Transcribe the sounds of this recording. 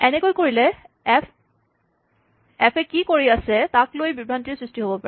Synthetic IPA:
ɛnɛkojkoɹilɛ | ɛpʰɛkikoɹiasɛtaklojbibʱantiɹsɹistiɦobɔpa

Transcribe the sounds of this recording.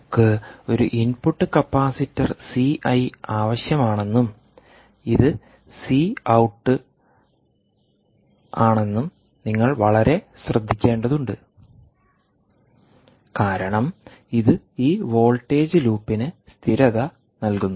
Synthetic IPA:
kːɨo̞ɾuʔinpuʈːɨkɐpːaːsitːɐrsiʔɐjaːʋɐɕjɐmaːɳe̞nːum | iðɨ | siːɐwʈːɨ | aːɳe̞nːum | niŋːɐɭʋɐɭɐɾe̞ɕrɐd̪ʱːikʲːe̞ːɳɖɐðuɳɖɨ | kaːɾɐɳɐm | iðɨ | iːʋo̞ːlʈːe̞ːd͡ʑɨluːpːinɨst̪ʰiɾɐðɐ | nɐlkunːu

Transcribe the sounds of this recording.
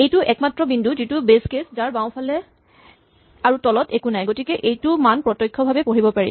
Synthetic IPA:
ejtʊʔɛkmatːɹɔbindʱuzitubeskesdaɹbaw̃pʰalɛ | aɹutɔlɔtʰekunajɡotikɛʔejtumanpɹɔtɔjkʰːɔbʱabɛpoɹibɔpaɹḭ

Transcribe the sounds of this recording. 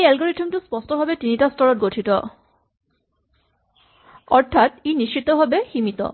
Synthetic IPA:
ejɛlɡoɾiʈʰemʈuspɔsʈobʱabeʈiniʈasʈɔɾoʈ̚ɡoʈʰit̪o̰ | ɔɾt̪ʰat̪iniʃt͡ɕit̪obʱabehimit̪o̰

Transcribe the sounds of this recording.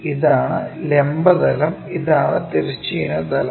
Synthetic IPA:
iðaːɳɨlembɐðɐlɐmiðaːɳɨt̪eɾit͡ɕːijinɐd̪ɐlɐ

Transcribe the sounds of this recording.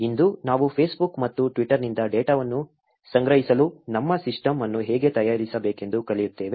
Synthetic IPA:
ind̪unaːʋupʰeːsbukmɐt̪ːuʈʋiʈːɐɾnind̪ɐɖeːʈaːʋɐnːu | sɐŋɡɾɐɦisɐlunɐmːɐsiʂʈɐmɐnːuɦɛːɡe̞t̪ɐjaːɾisɐbeːke̞nd̪ukɐlijut̪ːeːʋe

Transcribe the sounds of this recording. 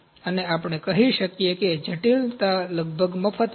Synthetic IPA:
əneapəɽ̃ekəɦiʃəkjeked͡ʒʱəʈilt̪aləɡ̚bʱəɡməfʰət̪

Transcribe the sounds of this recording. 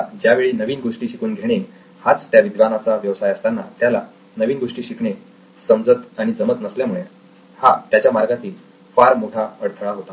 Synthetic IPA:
d͡ʑjaʋeɭiːnəʋiːnɡoʂʈiːɕikuːnɡʱeɽ̃iː | hat͡st̪jaʋid̪ʋanat͡saʋjəʋsajəst̪anːat̪jala | nəʋiːnɡoʂʈiːɕikɳe | səmd͡zət̪aɽ̃id͡zəmət̪nəsljam̤uɭe | hat̪jat͡ɕjamaɾɡat̪iːl | faɾmoʈʰaəɽt̪ʰəɭaɦot̪a

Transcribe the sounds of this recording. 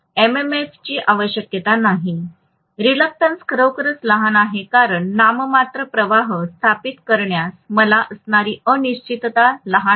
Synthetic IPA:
ememeft͡ɕiːʔaʋəɕjəkjət̪anaɦi | ɾilək̚ʈənskɾəwkɾəsləɦanaɦekaɾəɳːaməmat̪ɾəpɾəʋaɦəst̪ʰapit̪kəɾɳjasməlaʔəsɳaɾiːəniɕt͡ɕit̪t̪aləɦa

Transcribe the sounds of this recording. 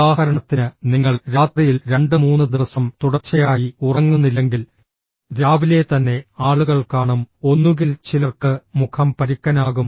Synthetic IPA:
aːhɐɾɐɳɐt̪ːinɨniŋːɐɭɾaːt̪rijilɾe̞ɳɖɨmuːnːɨd̪iʋɐsɐmt̪uɽɐrt͡ɕːɐjaːjiurɐŋːunːilːeŋɡil | ɾaːʋile̞t̪ɐnːe̞aːɭuɣɐɭkaːɳumo̞nːuɣilt͡ɕilɐrkɨmukʰɐmpɐɾikʲːɐnaːɣum

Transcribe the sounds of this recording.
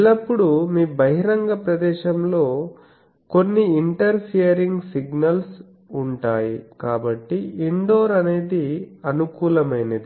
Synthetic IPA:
lɐpːuɽumiːbɐɦiɾɐŋɡɐpɾɐd̪ɛːʃɐmlo̞ː | ko̞nːiiɳʈɐɾpʰijɐɾiŋɡsiɡnɐls | uɳʈaːjikaːbɐʈːiiɳɖo̞ːɾɐne̞ːd̪iɐnukuːlɐmɐjnɐd̪i

